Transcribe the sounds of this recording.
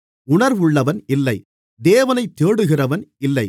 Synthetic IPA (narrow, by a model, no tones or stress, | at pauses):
ʊɳɐɾʋʊɭːɐʋɐnɪlːɐɪ | d̪eːʋɐnɐɪt̪ːeːɽɯɣɪrɐʋɐnɪlːɐɪ